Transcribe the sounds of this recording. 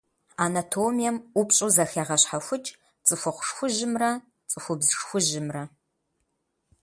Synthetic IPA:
aːnatʰoːmijɛmʔʷʊpɕʼuzɐxeːʁɐɕħaxʷʊt͡ʃʼ | t͡sʼɨxʷʊqʷʊʂxʷʊʒɪmrɐ | t͡sʼɨxʷʊbzxxʷʊʒɪmrɐ

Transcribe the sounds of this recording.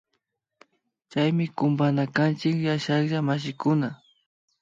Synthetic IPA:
t͡ʃajmɪkʊmbanakant͡ʃɪkjaʃakʒamaʃ̬ɪkʊna

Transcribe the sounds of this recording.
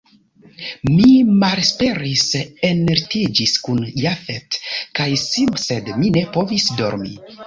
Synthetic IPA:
mimalspe̞ɾiseneɾtid͡ʒiskunjafetkajsimse̞dmine̞po̞visdo̞̰ɾmḭ

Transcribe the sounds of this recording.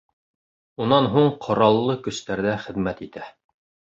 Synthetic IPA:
unɑnɦuɴqʰŏɾɑlˠːɤkɵ̆st̪æɾðæχɘ̆ðmæt̪it̪æ

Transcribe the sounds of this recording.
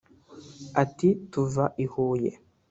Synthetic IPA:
atituvaʔihuːjḛ

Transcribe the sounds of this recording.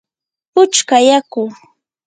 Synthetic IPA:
pʊt͡ʃkajakʊ

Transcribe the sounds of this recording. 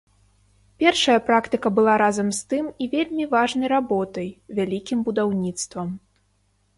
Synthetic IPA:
pʲɛrʂɐjɐpɾakt̪ɨkɐbɨlˠaɾazɐmst̪ɨmivʲelʲmʲivaʐnɐjɾabɔt̪ɐjvʲalʲikʲimbud̪awnʲit̪st̪vɐm

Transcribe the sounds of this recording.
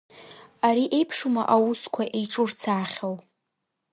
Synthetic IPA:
aɾiʔe̞jpʰʂuma̰ʔawuskʷʰaʔejʈ͡ʂʰʼurt͡sʰaːχʲaw

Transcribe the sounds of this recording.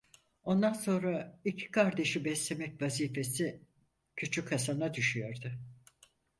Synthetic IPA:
o̞nd̪anso̞nɾaicʰi̥kʰaɾd̪e̞ʃibɛslʲe̞mɛcvaziːfe̞si | cʰyt͡ʃʰykʰːasanad̪yʃyjo̞ɾd̪ʊ

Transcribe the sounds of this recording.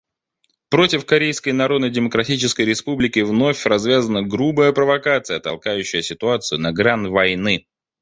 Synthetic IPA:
pɾo̞tʲɪfkɐɾʲejskəjnɐɾo̞d̪nəjdʲɪməkɾɐtʲit͡ɕɪskəjɾʲɪspublʲɪkʲɪvno̞fʲrɐzvʲazənəɡɾubəjəpɾəvɐkat̪sɨjət̪ɐ̰lˠkajʉɕːɪjəsʲɪt̪ʊat̪sɨjʊnɐɡɾanvɐjnɨ

